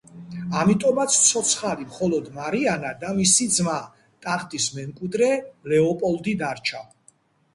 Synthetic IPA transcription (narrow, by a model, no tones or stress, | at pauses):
amit̪ʼɔmat̪sʰt̪sʰɔt̪sʰχalimχɔlɔd̪maɾianad̪amisid̪zma | t̪ʼaχt̪ʼismɛŋkʼwid̪ɾɛlɛɔpʼɔld̪id̪aɾt͡ʃʰa